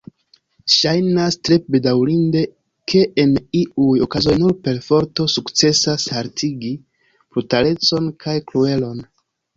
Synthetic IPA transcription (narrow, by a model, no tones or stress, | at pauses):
ʃajnastɾe̞be̞dawɾinde̞ | kʰe̞ʔeniujo̞kazo̞jnuɾpe̞ɾfo̞ɾto̞sukt͡se̞sashaɾtʰiɡi | b̥ɾutale̞t͡so̞nkʰajklue̞lo̞n